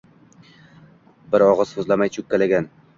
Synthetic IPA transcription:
bɪɾɒʁɤz̥hɵzlamajt͡ʃʰʊkʲːalaɡʲan

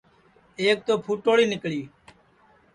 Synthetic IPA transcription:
eːk̚t̪oːpʰuːʈoːɽiːnɪkɭiː

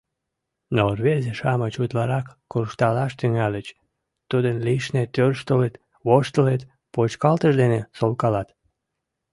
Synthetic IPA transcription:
norβerzeʃɑmət͡ɕut̪lɑɾɑkːurʃt̪ɑlɑʃt̪yŋælət͡ɕ | t̪ud̪ənliʃnet̪ørʃt̪olet̪ | βoʃt̪əlet̪ | pot͡ɕkɑlt̪əʃd̪enesolkɑlɑt̪

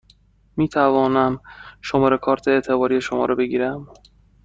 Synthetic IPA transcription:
miːt̪ʰævɒːnæmʃomɒːɾe̞kʰɒːɾt̪ʰeeʔt̪ʰe̞bɒːɾije̞ʃomɒ̰ːɾɒːbe̞ɟiːɾæm

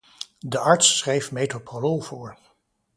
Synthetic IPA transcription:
dəʔɑɹtsːrejfmejtopololˠvʊːɹ

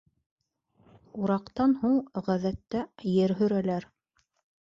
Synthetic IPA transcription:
uɾɑqt̪ɑnhuɴʁæðæt̪ːæjɘɾɦɵ̆ɾælæɾ

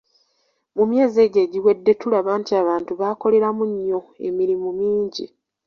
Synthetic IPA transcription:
mumje̞ːze̞ːɟe̞ːɟiwe̞dːe̞tulaβaːntiaːβaːntuβaːko̞le̞ɾamuɲːo̞e̞̰miɾimumiːɲɟi

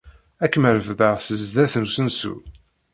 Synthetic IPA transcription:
ækːəməɾəvðəʁsəzðæθnusənsṵ

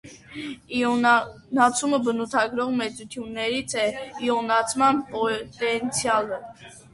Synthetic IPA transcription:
i | nɑt͡sʰuməbənut̪ʰɑɡɾɔʁmɛt͡sut̪ʰjunːɛɾit͡sʰɛiɔnɑt͡sʰmɑnpɔt̪ɛnt͡sʰjɑlə

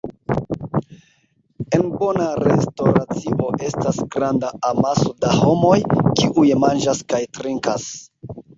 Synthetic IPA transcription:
e̞nbo̞naɾe̞stoɾat͡siʔoʔe̞stasɡɾandaamasodaho̞mo̞jkiʔujmand͡ʒaskajtɾiŋkas

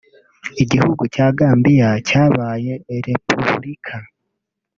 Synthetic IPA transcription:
iɟihuɡucaːɡaːmbijacaːβaːje̞ːɾe̞pṵβɾikʰa

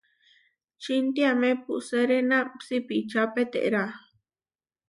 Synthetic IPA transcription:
t͡ʃint̪iamẽpuʔseɾenãpsipit͡ʃapet̪ḛʔɾa

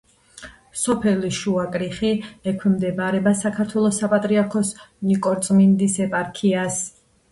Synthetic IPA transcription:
sɔpʰɛliʃuakʼɾiχiɛkʰwɛmd̪ɛbaɾɛbasakʰaɾt̪ʰwɛlˠɔsapʼat̪ʼɾiaɾkʰɔsnikʼɔɾt̪sʼmind̪isɛpʼaɾkʰias

